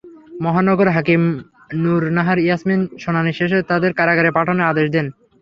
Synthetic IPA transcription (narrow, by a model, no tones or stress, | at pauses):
mɔɦanɔɡoɾɦakim | nuɾnaɦaɾijasminʃonaniʃeʃ̬et̪ad̪eɾkaɾaɡaɾepaʈʰonoad̪eʃd̪en